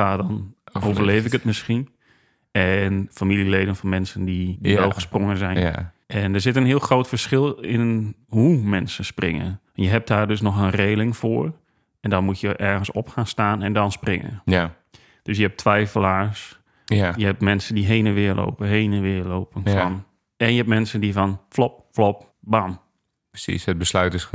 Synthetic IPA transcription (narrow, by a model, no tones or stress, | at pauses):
aːdɔnoːvvərleːvɪkətmɪsxin | ɛnfamilˠileːdənfɔnmɛnsəndidiʋɛlˠxəsproŋənzɛj | ʔɛndəɹszɪtənɦiəlˠxroːtfərsxɪlˠɪnɦumɛnsəsprɪ̰ŋə̰ʋɛnjəɦɛp̚daːrdøs̬nɔxənreːlˠɪŋfʊːr | ɛndɔnmutjəʔɛɹɣənsɔpxaːnstaːnɛndɔnsprɪŋə̰ | d̥øs̬jəɦɛp̚tʰʋɛjfəlˠaːs | jəɦɛptmɛnsəndiɦeːnənʋɪːərlʔo̰wpəɦeːnənʋɪːloːpənfɔn | ɛnjəɛpmɛnsəndifɔnflɔp̚flop̚ | bam | pəsḭsət̚bəslœɥtɪs